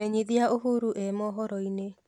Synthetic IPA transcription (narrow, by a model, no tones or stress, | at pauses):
eɲiðiaʔoɦuɾuʔɛmɔɦɔɾɔine